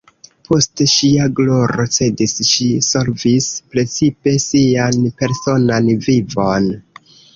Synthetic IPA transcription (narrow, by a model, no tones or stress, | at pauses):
pʰo̞steʃiaɡlo̞ɾo̞t͡se̞disʃiso̞lvispɾe̞t͡sipe̞sianpe̞ɾso̞nanvivo̞n